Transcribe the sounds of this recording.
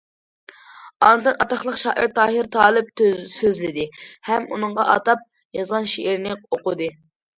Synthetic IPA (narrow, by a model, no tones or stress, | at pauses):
ɑ̰nɨd̪ɨnɑt̪ɑχlˠəqʃɑːʔiɾt̪ʰɑːɦiɾt̪ʰɑːlˠɨp̪̚søzlɪd̪ɪhɛmunɨŋʁɑʔɑ̰t̪ɑp̚ | jɑzʁɑnʃeʔiɾnɪoqʊd̪ɨ